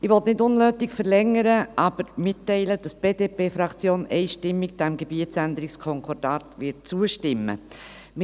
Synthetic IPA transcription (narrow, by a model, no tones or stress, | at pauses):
ɪʋɔt̪nɪdʊnløːtɪkfəɾlɛŋːəɾəʔɑb̥əɾmɪtːɛɪləd̥ɑsb̥eːd̥eːpeːfɾɑkt͡sjoːnɛɪʃtɪmːiɡd̥ɛmɡebiətsændəɾɪkskʰɔŋkʰɔɾdɑːtʋɪt̚t͡suəʃtɪmːə̰ | m